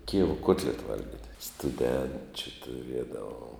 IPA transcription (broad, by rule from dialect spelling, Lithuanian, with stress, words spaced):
ˈkʲɪjɛʋoː ˈkuɔtʲlʲɛtɐ ˈʋɐlʲɡʲɪtʲ stʊˈdʲɛnʲt͡ʃʲʊ tʊˈrʲiɛdɐʋoːm